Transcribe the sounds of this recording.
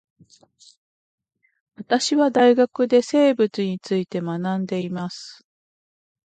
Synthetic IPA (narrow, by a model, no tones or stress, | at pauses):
βat̪aɕiβad̪aiɡakɯ̟d̪e̞se̞ːbɯ̟t͡sɨɲ̟it͡sɨit̪e̞manãnd̪e̞imasɨ̥